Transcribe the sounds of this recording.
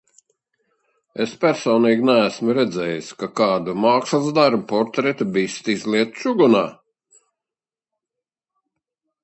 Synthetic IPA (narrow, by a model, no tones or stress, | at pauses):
espʲæɾsɔːniːɡʲnæːsmuɾɛd̪zɛːjiskakaːd̪umaːkslˠzd̪aɾbupɔɾt̪ɾɛt̪ubiːst̪izliɛt̪ʃuɡunaː